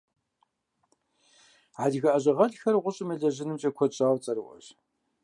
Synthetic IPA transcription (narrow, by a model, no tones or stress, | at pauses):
ʕaɮɣɐʔɐʑɐʁɐɮxɐrʁʷʊɕʼɪmɨɮɐʑɪnɨmt͡ʃʼɐkʷʰɔɕʼaːwt͡sʼɐɾɨwʔʷɐ̰ɕ